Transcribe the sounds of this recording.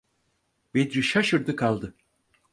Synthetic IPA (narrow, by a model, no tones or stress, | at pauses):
bed̪ɾiʃaʃɯɾd̪ɯkʰalˠd̪ɯ